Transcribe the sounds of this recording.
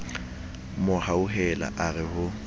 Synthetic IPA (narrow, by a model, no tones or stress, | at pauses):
mʊhauɦɛla̰ʔarɪhʊ